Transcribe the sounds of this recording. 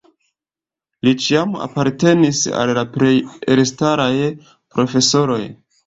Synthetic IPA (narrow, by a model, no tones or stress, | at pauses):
lit͡ʃiama̰paɾte̞nisa̰lːapɾe̞jelestaɾaj | pɾo̞fe̞so̞ɾo̞j